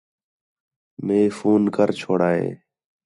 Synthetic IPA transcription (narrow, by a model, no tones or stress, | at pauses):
meːfuːnkəɾt͡ʃʰoːɽaːɦḛː